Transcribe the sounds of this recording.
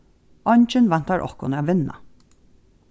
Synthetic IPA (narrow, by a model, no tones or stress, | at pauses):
ɔɲt͡ʃɪnvan̥t̪aɹʔɔ̰hkʊ̰næːʋɪnːa̰